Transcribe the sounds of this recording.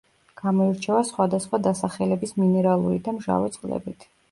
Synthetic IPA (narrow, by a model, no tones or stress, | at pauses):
ɡ̥amɔiɾt͡ʃʰɛvasχwad̪asχwad̪asaχɛlɛbisminɛɾalˠuɾid̪amʒa̰vɛ̰t̪sʼqʼlɛ̰bit̪ʰ